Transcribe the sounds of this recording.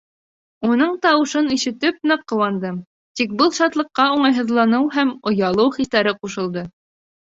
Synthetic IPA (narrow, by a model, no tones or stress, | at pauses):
unɤɴt̪ɑwɤ̆ʃɤniʃɘ̆t̪ɘp̚nɤqːŏwɑnd̪ɤm | t̪ik̚bɤlˠʃɑt̪lˠɤ̆qːɑuɴɑjɦɤ̆ðlˠɑnɤwɦæmŏjɑlˠɤwχislæɾɘquʃɤ̆lˠd̪ɤ